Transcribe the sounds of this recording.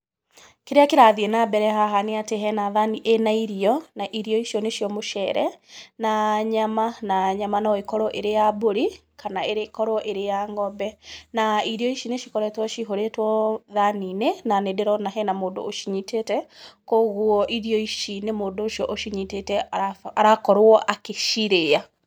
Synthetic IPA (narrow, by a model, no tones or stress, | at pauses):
keɾeakeɾaðiɛnabɛɾɛhaɦaneateɦɛnaðaniʔenaiɾiɔnaʔiɾiɔiʃjɔneʃiɔmoʃɛɾɛ̰naɲamanaɲamanɔekɔɾɔʔeɾejaboɾi | kʰanaeɾekɔɾɔʔeɾejaŋɡɔbɛnaiɾiɔiʃineʃikɔɾɛtwɔʃiɦoɾetwɔðaninenanedeɾɔnaɦɛnamoːndo̰ːʃiɲitetɛkoɣuɔʔiɾiɔiʃinemoːndoːʃiɔʔoʃiɲitetɛaaaɾakɔɾwɔʔakeʃiɾea